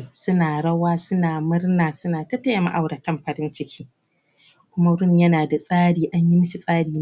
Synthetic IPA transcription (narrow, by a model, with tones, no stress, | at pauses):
sʊ˦naː˨ɽɐ˦waː˦sʊ˦naː˨mʊ˦rnaː˨sʊ˦naː˨tɐ˦tɐ˦ja˨ma̰˦ʔa˨wɽɐ˨tɐ˦mɸɐ˨ɾɪ˦nt͡ʃɪ˦kʲʰiː˦ | kʷʊ˦ma˦ɽʊ˦ɲjɐ˦naː˨da˨sʼaː˦ɽiː˨ʔa˦ɲji˦mɐ˦ʃi˨sʼaː˦ɽiː˨